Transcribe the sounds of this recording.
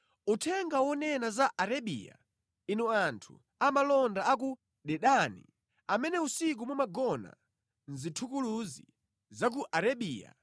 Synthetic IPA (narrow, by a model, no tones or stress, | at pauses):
utʰɛŋɡawɔnɛnazaʔaɾaɓḭːja̰ | inɔantʰṵ | amalɔndaaku | ɗɛɗanḭ | amɛnɛusik̬umumaɡɔna̰ | n̩zitʰukuluzi | zak̬uʔaɾaɓiːja̰